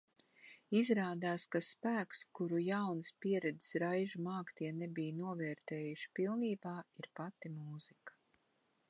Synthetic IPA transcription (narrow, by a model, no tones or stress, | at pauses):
izɾaːd̪aːskaspæːkskuɾujawnɨspiɛɾɛd̪i̥sɾajʒumaːkt̪iɛnebijnuɔvɛːɾt̪ɛːjuʃi̥pilˠniːbaːiɾpat̪imuːz̥ikḁ